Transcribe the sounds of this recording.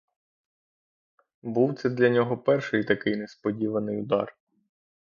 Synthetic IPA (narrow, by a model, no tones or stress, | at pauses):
buwt̪sɛd̪lʲɐnʲɔɦɔpɛrʃɪjt̪ɐkɪjnespɔdʲiʋɐnɪjʊd̪ɑ̰r